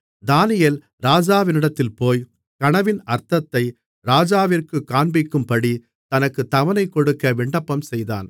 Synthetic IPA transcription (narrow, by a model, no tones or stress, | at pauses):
d̪aːnɪjɐl | ɾaːd͡ʒaːʋɪnɪɽɐt̪ːɪlpoːj | kɐɳɐʋɪnɐɾt̪ɐt̪ːɐɪ | ɾaːd͡ʒaːʋɪrkɯkːaːɳbɪkːɯmpɐɽi | t̪ɐnɐkːɯt̪ɐʋɐnɐɪkːɔɽɯkːɐʋɪɳɖɐpːɐmsɛjða̰ːn